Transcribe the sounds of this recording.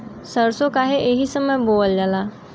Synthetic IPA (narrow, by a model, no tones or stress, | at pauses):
səɾsokaɦeʔeɦisəməjboːld͡ʒalaː